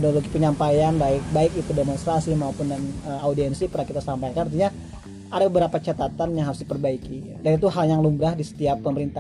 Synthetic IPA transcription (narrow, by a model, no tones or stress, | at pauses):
doloɡipəɲampajanbaɪk̚baɪk̚it̪udemonst̪ɾasimaopʊndanəaudiɛnsipərnakit̪asampajkanant̪iɲa | adabəbəɾapat͡ʃat̪at̪anjaŋɦaɾʊsdipərbaiki | danit̪uɦaljaŋlumbɾahdisə̥t̪iapːəməɾint̪ah